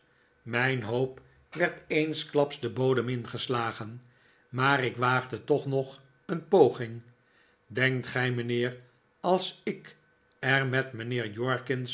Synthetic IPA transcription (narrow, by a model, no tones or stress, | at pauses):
mɛjnɦowp | ʋɛɹtejnsklɑpsdəbowdəmɪnχəslaːχən | maːɾɪkʋaːχdətɔχnɔχ | ənpowχɪŋ | dɛŋktχɛjmənɪːr | ɑlˠsɪk | ɛɹmɛtmənɪːɹjɔɹkɪns